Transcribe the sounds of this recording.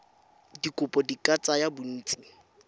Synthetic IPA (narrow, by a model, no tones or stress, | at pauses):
dikʼʊpʼɔdikʼat͡sʼajabʊn̩ːt͡sʼi